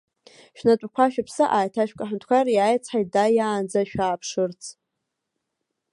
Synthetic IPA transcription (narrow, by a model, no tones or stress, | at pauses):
ʃᶣnatʷʼakʷʰaʃᶣapʰsɨʔaːjtʰaʃᶣkʼaħəntʰkʷʰarjajt͡sʰħajt̚dajaːnd͡zaʃᶣaːpʰʂɨrt͡sʰʼ